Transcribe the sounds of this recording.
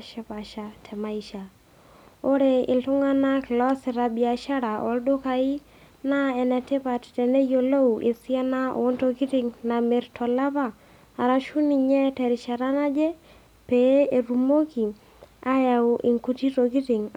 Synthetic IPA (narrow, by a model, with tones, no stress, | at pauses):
ʃɛ˦pa˨ʃa˨tʰɛ˨ma˦i˨ʃa˨ | o˦ɾe˨ɪ˨ltʊ˦ŋa˦na˦kɪ˨lɔ˦sɪ˨ɾa˨bi˨a˨ʃa˦ɾa˨ʔɔ̰˨˦ldo˦ka˨i˦ | na˦ɛ˨nɛ˨tɪ˦pa˨ttɛ˨ne˦jo˨lo˦u˨ʔe˨si˦a˦na˦o̰ː˨˦nto˦ki˦tɪ˨ŋna˨me˨ɾtʰɔ˨la˦paː˦˨ | ɾa˨ʃu˦ni˨ɲɛ˦tɛ˨ɾɪ˨ʃa˨ɾa˦na˦d͡ʒɛ˦ | pe˦e˨ɾu˨mo˦ki˨ | a˦ja˨ʊ˨ʔɪ˨ŋku˦ti˦to˨ki˦tɪ˨ŋ